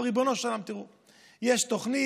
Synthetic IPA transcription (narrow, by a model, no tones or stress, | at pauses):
ʁibonoʃalamt̪iʁu | jeʃt̪oχni